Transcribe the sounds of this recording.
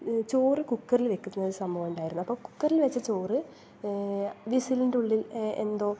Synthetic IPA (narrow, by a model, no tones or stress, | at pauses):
t͡ɕo̞ːrɨkukːɐrilʋe̞kːunːɐðɨsɐmbʱɐʋɐmuɳɖaːjiɾunːuɐpːoːku̥kːɐrilʋɐt͡ɕːɐt͡ɕo̞ːrɨ | ʋisilinduɭːilḛnd̪o̞ː